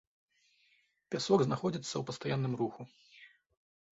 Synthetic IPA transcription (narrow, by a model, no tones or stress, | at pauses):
pʲasɔɡznaxɔd͡zʲit̪sːɐwpɐst̪ajanːɨmruxu